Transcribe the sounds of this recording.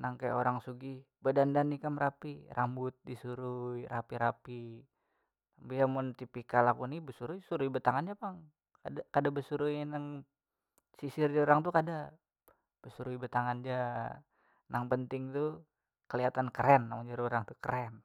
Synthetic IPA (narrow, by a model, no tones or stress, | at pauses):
naŋkaja̰oɾaŋsuɡi | bədandanːikamɾapirambʊt̪̚disuɾujɾapiɾapi | ambijamʊnt̪ipikalakunibəsuɾujsuɾujbət̪aŋand͡ʒapaŋ | ka̰dakadabəsuɾujnaŋ | sisɪrd͡ʒaoɾaŋt̪ukada | b̥əsuɾuibət̪aŋand͡ʒa | nʔaŋpənt̪ɪŋt̪u | kəliat̪ankəɾɛnːamaɲd͡ʒaɾioɾaŋt̪ukəɾɛn